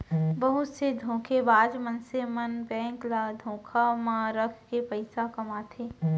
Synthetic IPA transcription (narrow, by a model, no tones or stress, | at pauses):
bɐɦʊt̪sed̪ʱõːkʰebaːd̪mənsemɐnbɛ̃ːŋklaːd̪ʱõːkʰamãɾɐkʰkepəɪsakɐmaːt̪ʰeː